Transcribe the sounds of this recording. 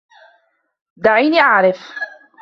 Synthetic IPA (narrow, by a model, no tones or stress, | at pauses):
d̪aʕiːniːʔaʕɾɪf